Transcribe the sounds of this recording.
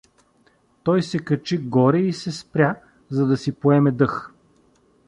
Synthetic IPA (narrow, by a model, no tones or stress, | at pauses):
t̪ɔjsɛkɐt͡ʃiɡɔɾɛisɛspɾʲa | zɐd̪ɐsipoɛmɛd̪ɤx